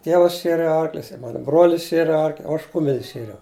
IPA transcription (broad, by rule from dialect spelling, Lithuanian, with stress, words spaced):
ˈtʲiɛʋɐs ˈʃʲiɛrʲɪ ˈɐrklʲʊs ɪ ˈmɑːnʊ ˈbruɔlʲɪs ˈʃʲiɛrʲɪ ˈɐrklʲ oː ˈɐʃ ˈkʊmʲɛlʲsʲ ˈʃʲiɛrʲɛʊ